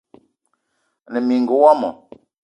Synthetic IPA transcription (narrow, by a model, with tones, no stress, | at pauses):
nə˨mi˨ŋ˨ɡə˨˦wa˦mɔ̰˨